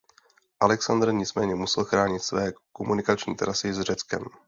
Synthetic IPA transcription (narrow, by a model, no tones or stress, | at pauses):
ʔalɛksand̪r̩ɲɪt͡smɛːɲɛmusɛlxɾaːɲɪt̪svɛːkomunɪkat͡ʃɲḭːt̪ɛɾasɪzr̝ɛt͡skɛ̰m